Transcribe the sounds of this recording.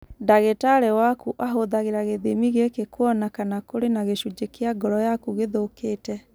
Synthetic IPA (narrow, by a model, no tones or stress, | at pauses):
daɣetaɾɛwakuʔaɦoðaɣeɾaɣeðemiɣekekwɔnakanakoɾenaɣeʃud͡ʒekeaɡɔɾɔjakuɣeðokeːtɛ